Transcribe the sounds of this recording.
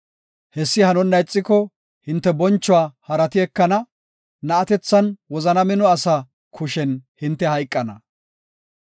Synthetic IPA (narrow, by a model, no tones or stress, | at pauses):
hɛsːɪhɐnɔnːɐjt͡sʼːɪkɔ | hɪnt̪ːɛbɔnt͡ʃːɔaːhɐɾɐt̪ɪɛkːɐnɐ | nɐːt̪ɛt͡sːɐnwɔzɐnɐmɪnɔɐsɐ | kʰʊʃɛnhɪnt̪ːɛhɐjkʼːɐnɐ̰